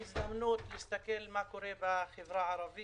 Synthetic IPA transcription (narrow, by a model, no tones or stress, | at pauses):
ɪzdamnuːt̪lɪst̪akɪlmakʊɾeːbaxɪbɾaʕɑɾˤɑbɪ